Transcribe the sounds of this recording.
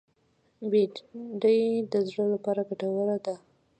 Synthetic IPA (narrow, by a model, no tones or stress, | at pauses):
beɖəjd̪əzɽəlapɑɾaɡaʈawəlad̪a